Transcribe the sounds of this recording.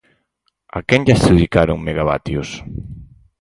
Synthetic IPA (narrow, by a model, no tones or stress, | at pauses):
a̰kɛŋʎasðikaɾoŋmeɣaβa̰t̪jos